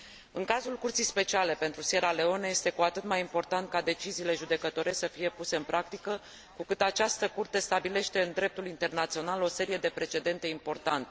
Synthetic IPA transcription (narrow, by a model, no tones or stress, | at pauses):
ɨŋkazulkurt̪sijspe̞t͡ʃiale̞pe̞nt̪ɾuse̞ɾale̞o̞nəje̞st̪e̞kuat̪ɨt̪majimpo̞rt̪ant̪̚kad̪e̞t͡ʃiziːle̞ʒud̪e̞kət̪o̞ɾe̞səfije̞puse̞ɨnpɾʔak̚t̪ikə | kukɨt̪at͡ʃast̪əkurt̪e̞st̪abile̞ʃt̪e̞ɨnd̪ɾe̞p̚t̪ulint̪e̞rnat̪sio̞nalo̞se̞ɾije̞d̪e̞pɾe̞t͡ʃe̞d̪e̞nt̪e̞impo̞rt̪ant̪e